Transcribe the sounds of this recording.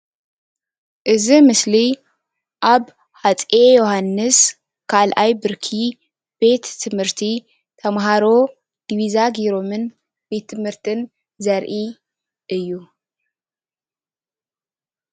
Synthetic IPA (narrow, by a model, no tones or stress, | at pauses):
ʔɨzimɨsli | ʔaβ | hat͡sʼejohanːɨs | kʰalʔajbɨɾkʰi | b̥e̞t̪ʰːɨmhɨɾt̪ʰi | t̪ʰɐmɦaɾo̞ | d̪̥iβizaɡiɾo̞mɨn | be̞t̪ʰːɨmhɨɾt̪ʰɨn | zɐɾʔi | ʔɨjːu